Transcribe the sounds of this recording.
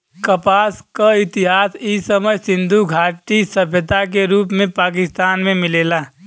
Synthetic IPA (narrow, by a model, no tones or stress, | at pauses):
kəpaːskaɪt̪ɪɦaːsisəməjsɪ̃nd̪ʱuɡʱaːʈisəbʱjət̪ak̬eɾuːpmẽpaːk̬ɪst̪aːnmẽmɪleːla